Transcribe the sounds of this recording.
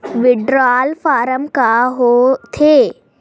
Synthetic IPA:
ʋɪɖɾaːlfaːɾəmkaɦot̪ʰe

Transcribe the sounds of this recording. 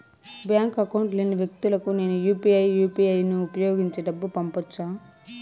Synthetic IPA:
bjaːŋkɐkɐwuɳʈliːniʋjek̚t̪ulɐkune̞ːnujuːpiɐjːuːpiɐjnuːpɐjoːɡiɲt͡ʃeːɖɐbːupɐmpɔt͡ʃːaː

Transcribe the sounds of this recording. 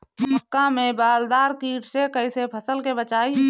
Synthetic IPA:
əkːamẽbaːld̪aːɾkiːʈʰsekəisepʰəsəlkebət͡ʃaːi

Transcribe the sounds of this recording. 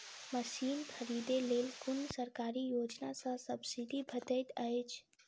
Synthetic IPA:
məsiːnkʰəɾiːd̪eleːlkʊnsəɾkaːɾijoːd͡ʒnasãsəbsid̪ʱibʱət̪əɪt̪əjt͡ʃʰ

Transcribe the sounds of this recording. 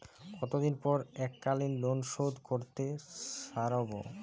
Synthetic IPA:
kɔt̪od̪inpɔɾɛkːalinlonʃod̪koɾt̪eʃaɾobo̰

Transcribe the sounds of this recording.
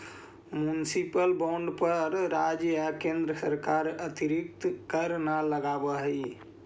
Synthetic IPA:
mjunsipəlbaɳɖpəɾːad͡ʒakẽnd̪ɾəsəɾkaɾət̪iɾik̚t̪kəɾnaləɡabəɦəj

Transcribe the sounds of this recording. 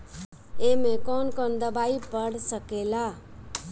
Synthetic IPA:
emekɔnkɔnd̪əbaipəɽsəkela

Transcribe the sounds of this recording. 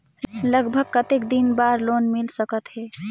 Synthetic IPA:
ləɡbʱəɡkət̪ekd̪inbaɾlonmilsəkət̪ɦe

